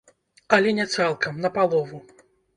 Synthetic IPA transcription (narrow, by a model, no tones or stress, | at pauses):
ɐlʲɛnʲɛt̪salˠkɐmnɐpalˠɔvu